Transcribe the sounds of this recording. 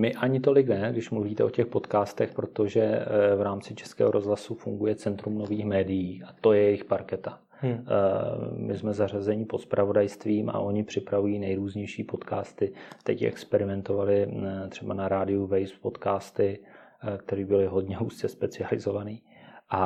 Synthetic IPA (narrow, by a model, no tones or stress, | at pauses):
mɪʔaɲɪt̪o̞lɪknɛɡdɪʃmluviːt̪ɛʔo̞cɛxpo̞t̪kaːst̪ɛxpɾo̞t̪o̞ʒɛvɾaːmt͡sɪt͡ʃɛ̥skɛ̰ːɦo̞ɾo̞zɦlasufuŋɡujɛt͡sɛnt̪ɾumno̞viːxmɛːdɪjiːʔat̪o̞jɛjɛjɪxpaɾkɛt̪ḁ | mɪ̰smɛzarazɛɲɪpot̪spɾavo̞dajst̪viːmʔa̰ʔo̞ɲɪpr̝̥ɪpɾavujiːnɛjɾuːzɲɛjʃiːpo̞t̪kaːst̪ɪt̪ɛcʔɛ̰kspɛɾɪmɛnt̪o̞valɪt̪r̝̥ɛbanaɾaːdɪuvɛjspo̞t̪kaːst̪ɪk̚t̪ɛɾiːbɪlɪɦo̞dɲɛɦuːst͡sɛspɛt͡sɪalɪ̰zo̞vaniːʔa